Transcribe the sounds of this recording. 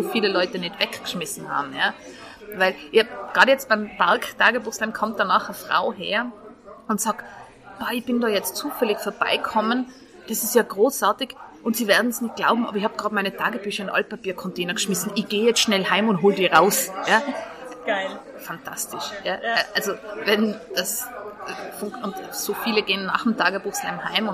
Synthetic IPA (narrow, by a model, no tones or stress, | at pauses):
soːfiːləlɔʏtənɛtv̥ɛkkʃmɪsn̩ha̰ːbm̩jaː | vaɪlʔɪçabɡ̥ʁɑːdəjɛt͡st̚b̥aɪmpaʁktʰaːɡəbuːxslaɪmkʰɔmt̚d̥anaːχəfʁ̥a̰ʊɦḛːɐ | ʊntsaːkt | aːɪçb̥ɪndɑːjɛt͡stt͡suːfɛlɪçfɔːɐb̥a̰ɪkʰɔmən | d̥asɪstjaːɡ̥ʁoːsʔaːɐtɪɡʔʊntsiːveːɐdn̩ɛsnɪçt̚ɡ̥laʊbm̩ʔaːbɐɪçhaːb̚ɡ̥ʁaːtmaɪnətʰaːɡəbyːçɐɪnʔa̰l̚papiːɐkʰɔnteːnɐɡʃmɪsn̩ɪçɡ̥eːjɛt͡stʃnɛlhaɪmʊntɦoːldiːʁaʊsjḁː | ɪ | fantʰa̰stɪʃjaːʔalzovɛnd̥as | fʊŋʊntsoːfiːləɡeːənːa̰ːχdm̩tʰaːɡəb̥uːxsla̰ɪmhaɪmʊ